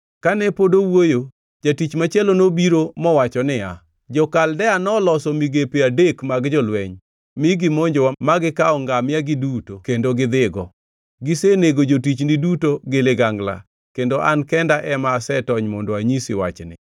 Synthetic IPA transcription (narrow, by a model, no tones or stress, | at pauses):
kanɛpodowojo | d͡ʒatit͡ʃmat͡ʃalonobiɾomɔwat͡ʃɔnɪa | d͡ʒɔkaldɛanɔlɔsɔmiɡepeadekmaɡd͡ʒɔlwɛɲ | miɡɪmoɲd͡ʒomaɡɪkaɔŋɡamɪaɡɪdutokendoɡɪd̪ɪɡɔ | ɡɪseneɡod͡ʒotit͡ʃnɪdutoɡɪlɪɡaŋɡla̰ | kendoʔankɛndaʔɛmaːsɛtɔɲmɔndoaɲisɪwa̰t͡ʃnɪ̰